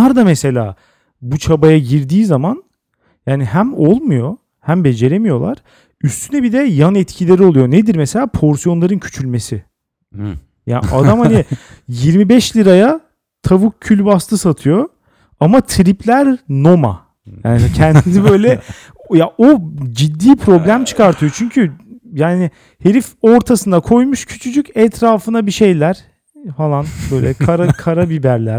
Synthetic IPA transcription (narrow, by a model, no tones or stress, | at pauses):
aɾd̪amese̞lʲa̰ː | but͡ʃʰabajaɟiɾd̪iːzaman | jaːniɦæmolˠmujo̞ | hæmbe̞d͡ʒe̞ɾemijo̞lˠa̰ɾ̥ | yst̪ʰynɛbid̪ɛjanɛt̪cʰilʲe̞ɾio̞lˠujo̞ned̪iɾmese̞lʲaːpʰo̞ɾsijo̞nlˠaɾɯncʰy̥t͡ʃʰylʲme̞sɪ | ja̰ːnʔa̰d̪amhani | jiɾmibɛʃlʲiɾaja | t̪ʰavukʰːylʲbast̪ʰɯsat̪ʰɯjo | amat̪ʰɾiplʲæɾno̞ma̰ | ja̰ːnicʰænd̪inibø̞jlʲɛ | jaod͡ʒid̪ːiːpʰɾo̞blʲæmt͡ʃʰɯ̥kaɾt̪ʰɯjo̞t͡ʃʰyɲcʰyjaːnɪ | heɾifoɾt̪ʰasɯnakʰo̞jmuʃcʰy̥t͡ʃʰyd͡ʒycɛt̪ʰɾaːfɯnabiʃejlʲæɾ̥ | falˠanbøjlʲɛkʰaɾakʰaɾabibæɾlʲæɾ̥